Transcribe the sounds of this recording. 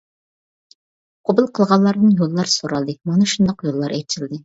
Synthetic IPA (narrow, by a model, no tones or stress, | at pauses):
qʰobɨlˠqʰəlˠʁɑlˠːɑɾd̪ɨnjolˠːɑɾsoɾɑlˠd̪ɨmɑnɨʃund̪ɑqjolˠːɑɾɛt͡ʃʰɪld̪ɨ